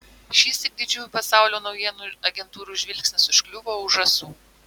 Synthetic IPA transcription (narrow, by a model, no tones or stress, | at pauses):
ʃʲiːst̪ʲɪk̚d̪ʲɪd͡ʒʲuːjupɐsɑˑʊlʲoːnɒʊjiɛnuːɐɡʲɛnt̪uːɾuːʒʲʋʲɪlʲkʲsʲnʲɪsɪʃklʲʊʋoːʊʒɐsuː